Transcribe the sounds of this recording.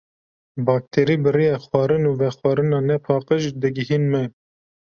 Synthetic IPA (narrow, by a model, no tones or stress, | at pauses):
bɑːk̚t̪ʰeːɾiːbɨɾijɛxwɑːɾɨnuːvɛxwɑːɾɨnɑːnɛpʰɑːqəʒd̪ɨɡɪhiːnmɛ